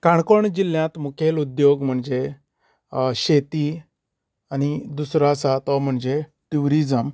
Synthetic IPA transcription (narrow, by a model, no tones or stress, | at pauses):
kaɳ̃kɔɳd͡ʑiljãt̪mukʰelud̪joɡm̤əɳd͡ʑe | ɕet̪i | anid̪usɾasat̪ɔm̤əɳd͡ʑe | ʈuɾid͡zəm